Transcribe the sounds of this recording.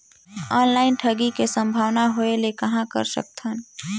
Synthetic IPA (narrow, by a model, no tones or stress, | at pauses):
ɔːnlaːɪnʈʰɐɡikesə̃mbʱaːʋnaɦoelekɐɦãkɐ̰ɾsə̰k̚t̪ʰən